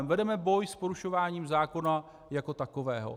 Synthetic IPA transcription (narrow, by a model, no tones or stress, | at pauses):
vɛdɛmɛbo̞jspoɾuʃo̞vaːɲiːmzaːko̞na | jako̞t̪ako̞vɛːɦo̰